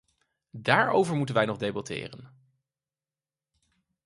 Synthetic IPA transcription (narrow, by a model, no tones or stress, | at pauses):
daːɹo̰wvəɹmutənʋɛjnɔχdejbɑtɪ̰ːrən